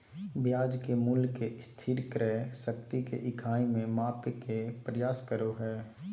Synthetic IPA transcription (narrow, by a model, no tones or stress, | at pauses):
bjaːd͡ʒkemulkest̪ʰiːɾkɾɛsəkt̪ikḛʔɪkʰaːimẽmaːpekepɾəjaːskəɾoɦɛː